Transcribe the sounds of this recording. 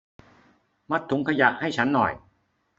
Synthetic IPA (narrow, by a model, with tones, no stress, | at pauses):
ma˦˥˩t̪ʰːu˨˩˦ŋkʰa˧ja˨˩k̚ha˥˩jt͡ɕʰa˦˥nːɔ̰˨˩j